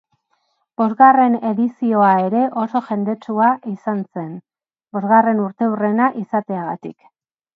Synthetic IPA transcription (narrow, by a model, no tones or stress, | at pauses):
b̥o̞zɣare̞ne̞ðisio̞ae̞ɾe̞ʔo̞so̞ʝe̞nd̪e̞t͡ʃuaʔisanse̞n | bo̞zɣare̞nuɾt̪e̞ure̞naʔisat̪e̞aɣ̞at̪ḭk